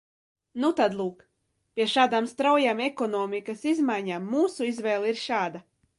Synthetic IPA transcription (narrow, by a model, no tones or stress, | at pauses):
nut̪ad̪lˠuːk | pʲiɛʃaːd̪aːmst̪ɾawjaːmekɔnɔːmikasizmajɲaːmːuːsuizvɛːlˠiɾʃaːd̪a